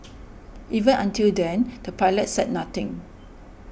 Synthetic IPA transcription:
ʔivə̃nãntildɛ̃nd̥əpaɪlət̚sɛd̚nat̪ɪ̃ŋ

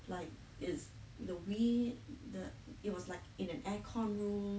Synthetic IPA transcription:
laɪk̚ | ɪs | dəwidəɪt̚wɔslaɪkɪ̃nɛ̃nʔɛkʰɔ̃nɹũm

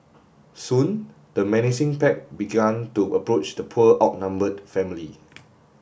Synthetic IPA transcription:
sũn | dəmɛnisĩŋpɛk̚biɡãntuʔəpɹot͡ʃdəpʰuəʔɔk̚nãmbədfɛ̃mili

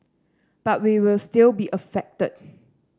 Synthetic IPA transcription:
b̥at̚wiwɪlstɪlbiʔəfɛk̚təd̚

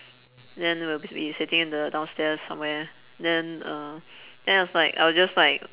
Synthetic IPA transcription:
ndɛ̃nwilbbisɪtɪ̃ŋɪ̃ndədãʊ̃nstɛsːã̰mwɛ | ndɛ̃nʌ | d̥ɛ̃naɪwɔslaɪka̰ɪwɔsd͡ʒaslaɪk

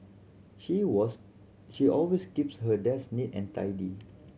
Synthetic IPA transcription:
ʃiwɔs | ʃiʔɔlweskipshədɛsnitɛ̃ntʰa̰jdi

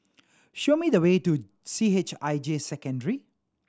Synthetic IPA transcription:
ʃomidəwetu | siet͡ʃaɪd͡ʒesɛkə̃ndəɹi

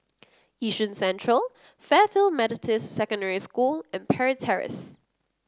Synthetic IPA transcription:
jiʃə̃nsɛ̃nt͡ʃɹ̥əlˠ | fɛːfɪlˠmɛɾɪtʰəssɛkə̃ndɛɹiskuːlə̃npʰɛɹətʰɛɹɪ̰s

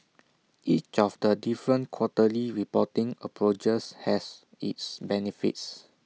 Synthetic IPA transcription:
ʔit͡ʃɔfdədifɹə̃nkʰwɔtəliɹipɔtĩŋəpʰɹot͡ʃəshɛs | ḭtsbɛnifḭts

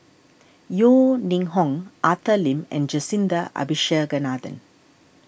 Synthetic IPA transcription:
joːniŋɦɔŋat̪ɐlimɛ̰nd͡ʒɐsind̪ɐʔɐ̰biʃɐːɡɐnaːd̪ɐ̰n

